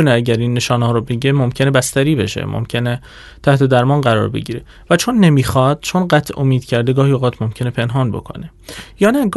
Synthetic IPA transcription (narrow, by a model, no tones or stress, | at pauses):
uneæɟæɾiːnːe̞ʃɒːnɦɒːɾobe̞ɟemomcʰe̞ne̞bæst̪æɾiːbe̞̰ʃḛmʔo̰mcʰe̞ne | t̪ʰæht̪ʰe̞d̪æɾmɒːnɢæɾɒ̰ːɾbe̞̰ɟiːɾe | væt͡ʃʰo̞nːemiːxɒːd̪̥t͡ʃʰonɢæt̪ʰʔomiːd̪cʰæɾd̪eɡɒːhioɣɒːt̪ʰmo̞mcʰe̞ne̞pʰe̞nɦɒːnbo̞̰kʰo̞̰ne̞ | jɒːnæɡ